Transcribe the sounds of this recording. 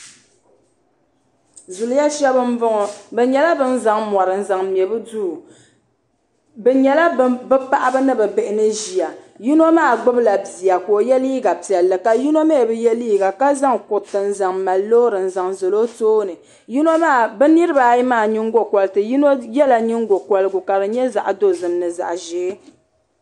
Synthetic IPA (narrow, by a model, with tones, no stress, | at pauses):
zʊ˨lja˦ʃɛ˦bɨ˦m̩˦vʊ˦ŋɔ˨bɛ˨ɲɛ˨la˦bɨ˦n̩˦za˨ŋmɔ˨ɾɨ˨n̩˨za˨ŋ˨m˨ɛ˨bɨ˦du˦˨ | bɛ˨ɲɛ˨la˦bɨ˦pa˦ʔa˦bɨ˦nɨ˦bɛ˨bɛ˨ʔɪ˨nɨ˦ʒi˨ja˨ji˦no˦maː˦˨ɡ͡bʊ˦bla˨bi˨a˨ko˨jɛ˦liː˦ɡa˨pi˨ɛ˨lːɨ˨ka˨ji˦no˦me˦˨bɨ˦jɛ˦liː˦ɡa˨ka˦za˦ŋkʊ˨tɨ˨n˨za˨ŋma˨lːo˦ɾɨ˨n̩˨za˨ŋzo˨lo˦toː˦nɨ˨ | ji˦no˦maː˦˨bɛ˦ni˦ɾɨ˦ba˨˦ji˦maː˦˨ɲi˦ŋɡo˨kɔ˨lɨ˦tɨ˨ji˦no˦jɛ˦la˨ɲi˦ŋɡo˨kɔ˨lɨ˦ɡʊ˨ka˨bɨ˨ɲɛ˦za̰˨ʔa˨do˦zɨ˨m˦nɨ˨za̰˨ʔʒeː˨˦